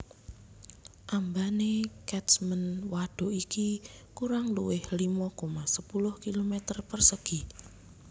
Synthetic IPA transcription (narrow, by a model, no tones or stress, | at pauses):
ʔambanekɛtsmənwaɖ̥o̤ikikuɾaŋlṵwɪhlimɔkomasəpulʊhkilomɛt̪ərpərsəɡ̥i